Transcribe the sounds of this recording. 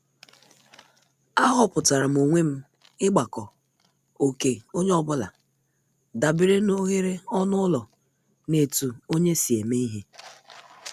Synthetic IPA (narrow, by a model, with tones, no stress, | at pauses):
a˦ɦɔ˦pʊ˨ta˨ɾa˨m̩˨o˨ŋʷe˦m̩˦ | ɪ˦ɡ͡ba˨kɔ˨ | o˨ke˨o˦ɲe˦ɔ˦bʊ˦la̰˨ | da˨bɪ˦ɾe˦no˦ɣe˦ɾe˦ɔ˦nʊ˦ʊ˦lɔ˨ | ne˨tu˨o˦ɲe˦si˨e˨me˦i˦ɦe˦